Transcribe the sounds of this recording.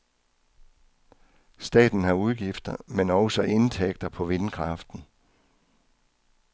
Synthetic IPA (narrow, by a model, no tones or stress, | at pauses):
sd̥ɛ̰ːd̥n̩hɑ̈uðˠɡ̥ifd̥ɐmenɒʊsɒʔe̝nt͡sʰeɡ̥̚d̥ɐpʰɒ̽ʋe̝nkʰʁɑ̈fd̥n̩